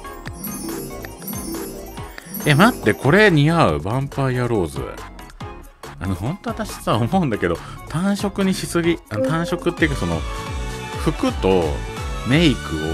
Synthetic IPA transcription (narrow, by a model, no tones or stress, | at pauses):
emat̪ːe̞ko̞ɾe̞ɲ̟iaɯ̟̰bãmpajaɾo̞ːzɨ̰ | a̰nohõ̞nt̪o̞βat̪aɕi̥t͡sɨβaomo̞ɯ̃nd̪ake̞d̪o̞t̪ʰãɰ̃ɕo̞kɯ̟ɲ̟iɕisɨɡʲianot̪ãɰ̃ɕo̞kɯ̟t̪ːe̞jɯ̟kaso̞no̞̰ | ɸɯ̟kɯ̟t̪o̞me̞ikɯ̟o̰